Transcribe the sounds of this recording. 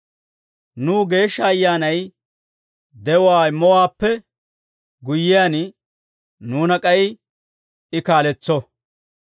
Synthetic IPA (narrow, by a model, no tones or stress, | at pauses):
nuːɡe̞ːʃːɐːjːaːnɐj | d̪ɛwwaːmɔwaːpːɛ | ɡʊjːɪjaːn | nuːnɐkʼɐjɪ | ɪkaːlɛt͡sːɔ